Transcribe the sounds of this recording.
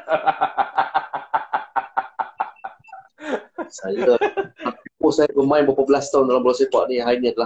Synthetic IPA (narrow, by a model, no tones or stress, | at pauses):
sajəapiposajəbəmãinbəpəbəlast̪aundalambəlɔsepa̰ʔnĩɦainĩadala